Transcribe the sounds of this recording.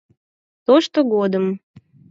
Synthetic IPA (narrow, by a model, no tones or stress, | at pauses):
t̪oʃt̪oɡod̪əm